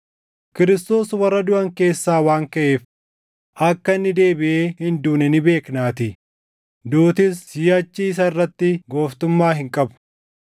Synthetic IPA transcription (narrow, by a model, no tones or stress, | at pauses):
kɪɾɪst̪o̞ːswɐrːɐd̪ʊʔɐŋke̞ːsːaːwaːŋkɐʔe̞ːf | ʔɐkːɐnːɪd̪e̞ːbɪʔeːhɪnd̪uːnɛnɪbe̞ːknaːt̪ɪ | d̪uːt̪ɪsɪjɐt͡ʃːiːɪs̬ɐɪrːɐt̪ːɪɡo̞ːft̪ʊmːaːhɪŋkʼɐbʊ̥